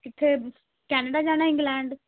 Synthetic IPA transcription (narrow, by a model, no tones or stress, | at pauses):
kɪt̪ʰːeː | kɛːnəɖaːd͡ʒaːñaːɪ̃ŋɡlɛ̃ːɳɖ